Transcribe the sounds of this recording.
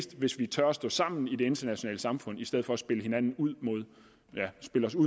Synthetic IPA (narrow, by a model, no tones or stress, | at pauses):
sd̥ʋe̝sʋit͡sʰɶɐɒsd̥ɔ̽sɑ̈m̰n̩id̥e̝e̝nd̥ɐnæɕo̝nɛ̰ːləsɑ̈mfɔ̽n̰isd̥eð̰ˠfɒ̽æsb̥e̝ləhe̝nænn̩uð̞̰ˠmo̝ð̞̰ˠ | jæsb̥e̝ləɒ̽sṵ